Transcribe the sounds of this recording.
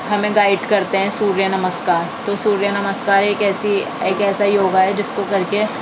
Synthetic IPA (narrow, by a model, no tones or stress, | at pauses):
ɦɐmẽɡaːɪɖkɐɾt̪eɦɛ̃suːɾjənɐməskaːɾt̪osuːɾjənɐməskaːɾeːkɛːsi | eːkɛːsajoːɡaɦɛd͡ʒɪskokɐɾke